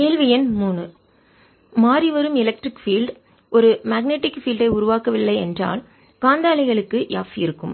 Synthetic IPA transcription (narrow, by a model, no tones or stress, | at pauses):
keːlʋɪjɐnmuːɳɯ | maːɾiʋɐɾɯmɪlɐk̚ʈrɪkfiːlɖ | ɔɾɯmɐːɡneːʈːɪkfiːlɖɐɪʊɾʊʋaːkɐʋɪɭːɐɪɛndra̰ːl | kaːnd̪aːlɐɪɣɐɭɯkːɯja̰ːfɪɾɯkːɯ̰m